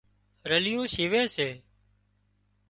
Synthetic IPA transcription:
ɾəlɪjõːʃiːʋeːseː

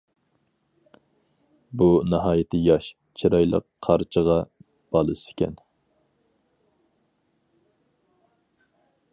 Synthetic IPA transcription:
bunɨɦɑːjɪt̪ʰɪjɑʃ | t͡ʃʰiɾɑjlˠə̰qʰːɑɾt͡ʃʰəʁɑ | b̥ɑlˠɨsɪ̥kʲʰɛ̰n

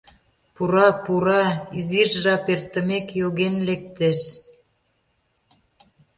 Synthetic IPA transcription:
puɾɑpuɾɑiziʒʒɑpert̪ə̆mekjoɣenlek̚t̪eʃ

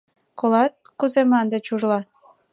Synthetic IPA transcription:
kolɑt̪̚kuzemɑnd̪et͡ɕuʒlɑ

